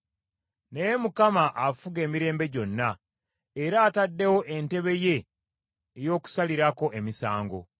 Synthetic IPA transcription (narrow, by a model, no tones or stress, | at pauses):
nejemukamaʔafuɡe̞ːmiɾe̞ːmbe̞ɟo̞nːa | eɾaːtadːe̞wo̞ʔente̞βe̞je̞ː | jo̞ːku̥saliɾako̞ʔe̞misaːŋɡo̞̰